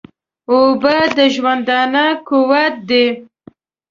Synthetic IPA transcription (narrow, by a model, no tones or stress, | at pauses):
obəd̪əʒwand̪ɑnakuwat̪̚d̪e